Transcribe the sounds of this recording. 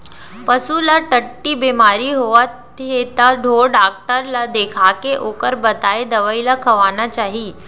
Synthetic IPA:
pəsulaʈəʈːiːbemaɾiːɦoʋat̪ | ɦet̪aɖʱoɖak̚ʈəɾlad̪ekʰakeʔokəɾbət̪ajd̪əʋəilakʰəʋanat͡ɕaɦiː

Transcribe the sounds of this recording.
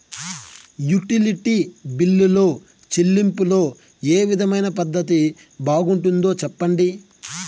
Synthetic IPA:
juʈiliʈibilːulo̞ː | t͡ʃelːimpulo̞ː | eːʋid̪ʱɐmɐjnɐpɐd̪ːɐt̪̬i | baːɡuɳʈund̪oːt͡ʃɛpːɐɳɖi

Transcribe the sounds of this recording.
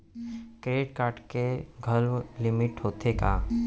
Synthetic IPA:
kɾeːɖkaːɾʈkeɡʱɐlʋlɪmɪʈɦoːt̪ekaː

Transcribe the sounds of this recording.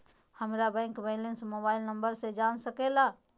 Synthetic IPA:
həmɾabɛ̃ːŋkbelɪnsmoːbaːɪlnəmbəɾsed͡ʒaːnsəkela

